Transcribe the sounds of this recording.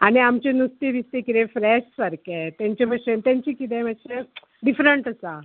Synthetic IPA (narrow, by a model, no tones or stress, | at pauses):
añiamt͡ɕenust̪eʋist̪ekiɾefɾɛɕsaɾkɛt̪jãɲt͡ɕeməɕet̪jãɲt͡ɕikit̪ɛ̃məɕe | ɖifɾəɳʈasa